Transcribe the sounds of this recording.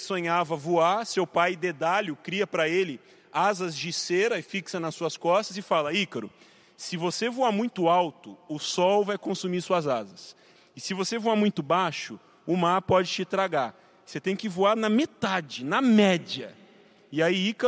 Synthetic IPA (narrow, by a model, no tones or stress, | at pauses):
sõɲavɐvuasewpajd̪ed̪aʎʊkɾiɐpɾɐelɪ | azɐzd͡ʒɪseɾɐɪfiksɐnɐsːuɐskɔst̪ɐzɪfalɐikɐɾʊ̰ | sɪvosevuamũj̃t̪ʊawt̪ʊʊsɔwvajkõsumiɾsuɐzazɐs | ɪsɪvosevuamũj̃t̪ʊbaʃʊ | ʊmaɾpɔd͡ʒɪt͡ʃɪt̪ɾaɡaɾ | set̪ẽj̃kɪvuaɾnɐmet̪ad͡ʒɪnɐmɛd͡ʒɐ̰ | ɪaiikɐ